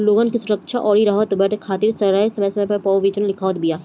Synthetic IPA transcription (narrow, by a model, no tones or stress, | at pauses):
loːɡənkisʊɾəkʃaʔɔːɾiɾɐɦɔt̪ːbɛːʈʰekʰaːt̪iɾsɐɾɾaesɐməsɐmpɐɾpɔːʋʋiːt͡ʃənlɪkʰaːt̪bijaː